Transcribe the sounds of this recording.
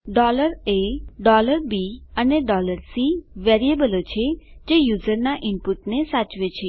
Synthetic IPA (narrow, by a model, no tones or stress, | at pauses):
ɖɔləɾeɖɔləɾbiəneɖɔləɾsiʋeɾiebəlot͡ʃʰed͡ʒejuzəɾnaʔɪmpuʈnesat͡ʃʋet͡ʃʰe